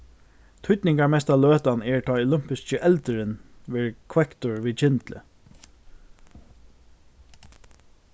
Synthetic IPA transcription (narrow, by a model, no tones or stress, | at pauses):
t̪ʰʊt̪nɪŋkaɹmɛst̪aløːt̪anɛɹt̪ʰɑːɔlʏm̥pɪst͡ʃəʔɛlt̪əɾɪnʋɛɹkʰwɛkt̪ʊɹʋit͡ʃʰɪnt̪lə̰